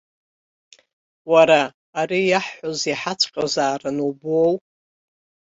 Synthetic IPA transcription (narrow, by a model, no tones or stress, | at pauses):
waɾaː | ɾijaħħoziħat͡sʰʼqʼazaːrɨnubow